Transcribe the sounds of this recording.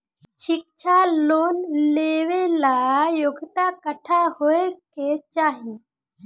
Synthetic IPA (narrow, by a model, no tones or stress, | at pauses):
ʃik̚t͡ʃʰaloːnleʋelajoɡʱt̪akəʈʰaɦoeket͡ʃaːɦi